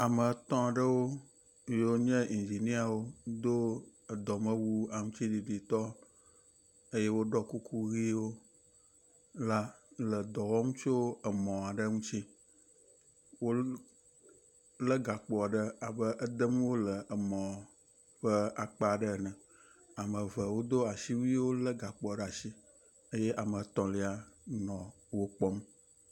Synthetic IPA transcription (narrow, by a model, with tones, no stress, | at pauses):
a˨mə˨˦t̪ɔ̃˦a˨ɖə˦wo˦ | jo˦ɲɛ̃˦i˨nd͡ʒi˨nĩ˦a˨wo˦d̪o˦ə˨d̪ɔ˨mə̃˦wu˦a˨ŋũ˦t͡ɕi˦ɖi˨ɖi˨t̪ɔ˦ | ə˦jɛ˦wo˦ɖɔ˦ku˦kʰu˦ɣi˦wo˦ | la˦lə˨d̪ɔ˨wɔ˦ŋũ˦t͡ʃo˦ə˨mɔ̃˨a˨ɖə˦ŋũ˦t͡ɕi˦ | wo˦ | lə˦ɡa˨k͡pɔ˨ɖə˦a˨bə˦ʔə˦d̪ə˦m˦wo˦lə˨ʔə˨mɔ̃˨ | ɸə˦a˨k͡pa˦˨ɖə˦˨nə̃˨ | a˨mə̃˨və˨wo˦d̪o˦a˨ʃi˦wu˦i˦wo˦lə˦ɡa˨k͡pɔ˨ɖa˨ʃi˦ | ə˦jɛ˦ʔa˨mə̃˨t̪ɔ̃˨li˦a˨nɔ̃˨ | wo˦k͡pɔ˦m˦